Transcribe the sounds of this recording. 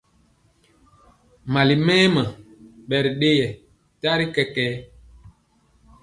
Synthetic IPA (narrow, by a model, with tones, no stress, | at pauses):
ma˨li˨mɛː˦mə˨ɓɛ˨ɾi˨ɗe˦jɛ˨ | ta˦ɾi˦kɛ˦kɛː˦